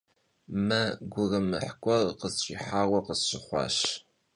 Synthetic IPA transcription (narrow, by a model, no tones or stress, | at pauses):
mɐɡʷʊrɨmɨħkʷʼɔrqəzɕʼiːħaːwʷɐqəzɕɪχʷɑ̰ːɕ